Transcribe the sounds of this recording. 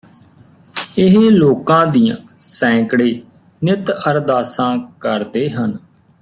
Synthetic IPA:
ɪɦloːkãːd̪ijãːsɛ̃ːkɽeː | nɪt̪əɾd̪aːsãːkəɾd̪eːɦən

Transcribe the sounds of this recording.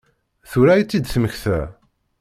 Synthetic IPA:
θuɾæjt͡sːid̪θəməçθæ̰

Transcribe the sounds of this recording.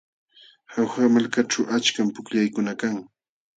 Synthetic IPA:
hawxamalkaʈ͡ʂawʔat͡ʃkampʊkʎajkʊnakaŋ

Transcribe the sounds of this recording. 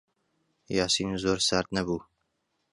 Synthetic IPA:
jaːsiːnuzoːɾsaːɾt̪̚nɐbuː

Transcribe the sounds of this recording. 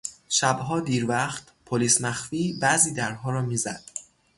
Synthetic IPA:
ʃæbɦɒːd̪iːɾvæχt̪pʰoliːsmæxfiːbæziːd̪æɾɦɒːɾɒːmiːzæ̰d̪̥

